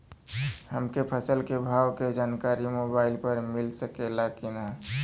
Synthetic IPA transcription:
həmkepʰəsəlkebʱawked͡ʒaːnkaɾimobaɪlpəɾmɪlsəkelakina

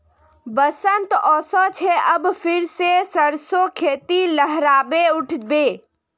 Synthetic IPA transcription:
bəsənt̪ɔːsɔt͡ʃʰeʔəbpʰɪɾsesəɾsokʰeːt̪iləɦɾaːbeʊʈʰbeː

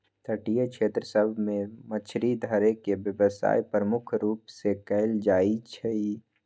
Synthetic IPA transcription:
t̪ʰəʈijəkʃʰeːt̪ɾəsəbʱmẽmət͡ʃʰɾid̪ʱəɾekebjəbəsa̰ːipɾəmʊkʰɾuːpsekɛɪld͡ʒaːit͡ʃʰɛi

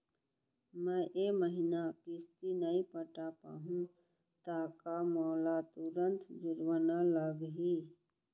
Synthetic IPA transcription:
mə̃ʔeməɦinakɪst̪inəipəʈapa̰ːɦũ | t̪akamɔːlat̪uɾənt̪d͡ʒuɾwənaləɡɦi

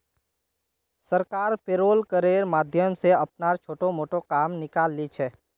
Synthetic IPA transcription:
səɾkaːɾpeːɾoːlkəɾeːɾmaːd̪ʱjəmseɐp̚naːɾt͡ʃʰoːʈomoːʈokaːmnɪkaːlːit͡ʃʰɛː

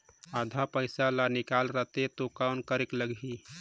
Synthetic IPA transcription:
ad̪ʱapəɪsalanikalɾət̪et̪okawnkəɾekləɡɦi

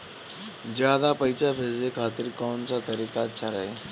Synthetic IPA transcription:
zjaːd̪apəɪsabʱeːzekʰaːt̪ɪɾkɔːnsat̪ɐɾiːkat͡ʃʰaɾɐɦeː

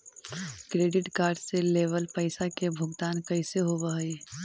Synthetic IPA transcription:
kɾeːɖɪʈkaːɾɖseleːʋəlpəɪsakebʱʊɡt̪aːnkɐɪseɦoʋaeː

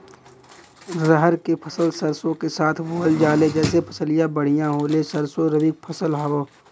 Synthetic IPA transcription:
zəɦəɾkepʰɐsəlsəɾsõkesaːt̪ʰboːəld͡ʒaːled͡ʒɛːsepʰɐsəlijãbəɽ̤ijãɦoːlesɐɾsoɾəbɪk̚pʰɐsəlɦaːoː

